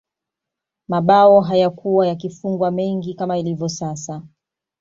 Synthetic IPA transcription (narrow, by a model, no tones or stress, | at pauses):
maɓaɔɦajakuwajakifuŋɡwamɛŋɡikamailivjɔsasa